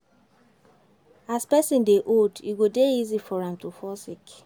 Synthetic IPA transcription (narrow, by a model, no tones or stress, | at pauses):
aspɛsĩndeʔodḭɡodeizifɔɹãmtufɔsik